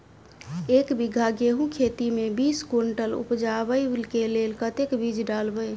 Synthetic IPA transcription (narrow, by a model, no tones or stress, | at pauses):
ekbiɡʱaɡeɦũkʰet̪imebiskoɳʈəlṵpd͡ʒabəjlkelelkət̪ekbid͡ʒʱɖalbəj